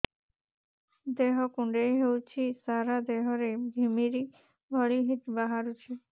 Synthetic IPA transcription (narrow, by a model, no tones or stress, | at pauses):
d̪eɦɔkũɳɖeɦewt͡ʃʰisaɾad̪eɦɔɾeɡʱimiɾi | bʱəɭiɦit̪baɦaɾut͡ʃʰi